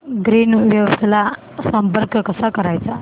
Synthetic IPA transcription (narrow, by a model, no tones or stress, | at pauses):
ɡɾiːnʋjəwst̪ʰla | səmpəɾkkəsakəɾajt͡sa